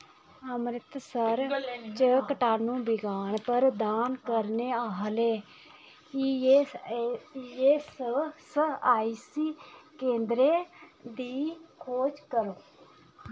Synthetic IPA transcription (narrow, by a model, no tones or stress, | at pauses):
əmɾɪt̪səɾt͡ʃəkəʈaːnũːbɪɡaːnpəɾd̪aːnkəɾneːaːɦleː | i | eːssəaːisiːkẽːnd̪ɾeːd̪iːkʰoːd͡ʒkəɾoː